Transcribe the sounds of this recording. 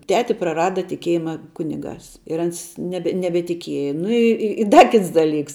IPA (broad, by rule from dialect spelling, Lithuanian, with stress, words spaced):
ˈtʲæːtʲɪ prɐˈrɑːdɐ tʲɪˈkʲiɛjɪmɐ ˈkʊnʲɪˌɡɑːs ɪr ˈɐns ˈnʲæːbʲɛ nʲɛbʲɛtʲɪˈkʲiɛjɛ ˈnʊ ɪ ˈɪ ɪ ˈdɐ ˈkʲɪts dɐˈlʲiːks